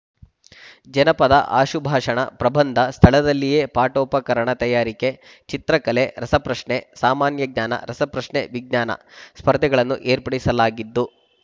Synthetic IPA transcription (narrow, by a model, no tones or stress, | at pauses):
d͡ʒɐnɐpɐd̪ɐ̰ʔa̰ːʃubʱaːʂɐɳɐ̰pɾɐbɐnd̪ʱɐst̪ʰɐɭɐd̪ɐlːije̞ːpaːʈɔːpɐkɐɾɐɳɐt̪ɐjaːɾike̞ | t͡ʃit̪ɾɐkɐle̞ɾɐsɐpɾɐʂɳesaːmaːnjɐɡ̚ɲaːnɐ̰ɾɐsɐpɾɐʂɳeʋiɡ̚ɲaːnɐ̰spɐɾd̪ʱɛɡɐɭɐnːuʔeːɾpɐɽisɐlaːɡid̪ːu